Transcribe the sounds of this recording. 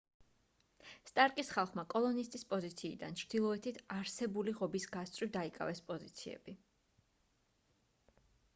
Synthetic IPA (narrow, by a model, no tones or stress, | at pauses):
st̪ʼaɾkʼisχalˠχmakʼɔlˠɔnist̪ʼispʼɔzit̪sʰḭːd̪a̰nt͡ʃʰɾd̪̥ilˠɔɛt̪ʰit̪ʰaɾsɛbuliʁɔbisɡast̪sʼwid̪aikʼa̰vɛspʼɔzit̪sʰiɛ̰b̥i